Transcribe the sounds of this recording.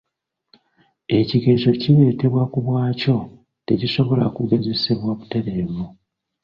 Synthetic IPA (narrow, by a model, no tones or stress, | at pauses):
e̞ciɡe̞zo̞ciβe̞ːte̞βwakuβwaːco̞ | te̞ciso̞βo̞la̰kuɡe̞ze̞seβwaβute̞ɾe̞ːβu